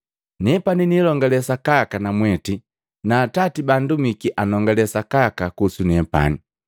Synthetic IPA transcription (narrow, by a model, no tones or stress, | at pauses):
nɛpaninilɔŋɡalɛsakakanamwɛti | naːtatibandumikiʔanɔŋɡalɛsakakakusunɛpa̰ni